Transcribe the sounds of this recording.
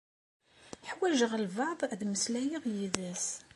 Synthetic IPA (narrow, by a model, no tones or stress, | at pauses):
ħwæʒəʁəlvɑʕðˤðməslæjiʁjiðæs